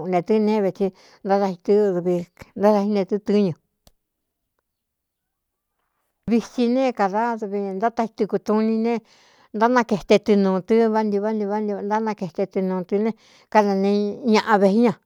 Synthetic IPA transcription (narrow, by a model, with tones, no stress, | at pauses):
nẽ˨˧t̪ɨ˦˧nẽ˦˧βe˧t͡ʃi˧ | nd̪a˦ða˧hi˧t̪ɨ˦˧ðu˧βi˧nd̪a˦ða˧i˦nẽ˧t̪ɨ˦t̪ɨ˦ɲũ˧ | βi˧t͡ʃi˧nẽ˦˨ka˧ða˦ðu˧βi˧nd̪a˦t̪a˧hi˧t̪u˧ku˧t̪ũ˧nĩ˧nẽ˦ | nd̪a˦nã˧ke˧˨t̪e˧t̪ɨ˧nũː˨˧t̪ɨ˦βa˦nd̪i˧βa˦nd̪i˧βa˦ni˧nd̪a˦nã˧ke˧t̪e˧t̪ɨ˧nũː˧t̪ɨ˧nẽ˦˧ | ka˦nã˧nẽ˧˦ɲã˧ʔã˧βe˧i˦ɲã˧